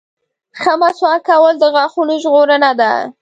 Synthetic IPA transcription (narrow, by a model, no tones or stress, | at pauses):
xəmaswɑkawəld̪əɣɑxunoʒɣoɾənad̪a̰